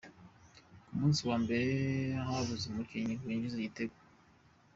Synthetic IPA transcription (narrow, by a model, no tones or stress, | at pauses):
kumuːnsiwaːmbeɾehaβuzemuɾkiɲiwiːɲɟizeɟiteɡwa